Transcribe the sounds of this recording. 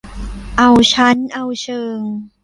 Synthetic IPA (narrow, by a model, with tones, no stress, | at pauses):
ʔa˧wt͡ɕʰa˦˥nʔa˧wt͡ɕʰɤː˧ŋ